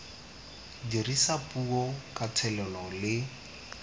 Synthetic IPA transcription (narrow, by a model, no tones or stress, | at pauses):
dirisapuɔkatʰɛlɛlɔlɪ